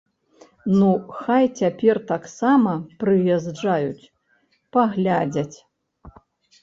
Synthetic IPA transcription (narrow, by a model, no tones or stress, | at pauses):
nuxajt͡sʲapʲɛrt̪aksamɐpɾɨjaʐd͡ʐajut͡sʲ | paɣlʲad͡zʲɐt͡sʲ